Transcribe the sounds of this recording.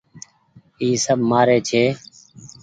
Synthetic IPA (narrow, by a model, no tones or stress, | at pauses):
iːsəbʱmaːɾeːt͡ʃʰeː